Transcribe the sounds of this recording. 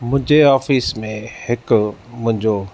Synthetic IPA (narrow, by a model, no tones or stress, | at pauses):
mʊ̃ɦɪ̃ɲd͡ʑeaːfiːsmẽhɪkmʊ̃ɦɪ̃ɲd͡ʑo